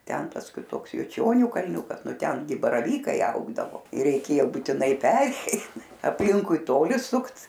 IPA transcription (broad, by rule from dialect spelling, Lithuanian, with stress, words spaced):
ˈtʲɛn ˈtɐs kʲɪˈtoːks jʊˈt͡ʃʲoːnʲuː kɐlʲˈnʲʊkɐs ˈnʊ ˈtʲɛn ɡʲɪ bɐrɐˈʋʲiːkɐɪ ˈɐʊɡdɐʋoː ɪr rʲɛɪˈkʲeːjoː buːtʲɪˈnɐɪ ˈpʲæːrʲɛɪ ɐpʲˈlʲɪŋkʊɪ ˈtoːlʲɪ ˈsʊkt